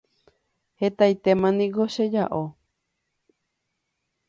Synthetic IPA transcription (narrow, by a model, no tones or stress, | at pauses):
het̪ajt̪emãnĩɡoʃed͡ʒaʔo